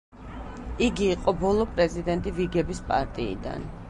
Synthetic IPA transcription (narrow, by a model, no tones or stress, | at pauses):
iɡiːqʼɔbɔlˠɔpʼɾɛzid̪ɛnt̪ʼiviɡɛbispʼa̰ɾt̪ʼiḭd̪a̰n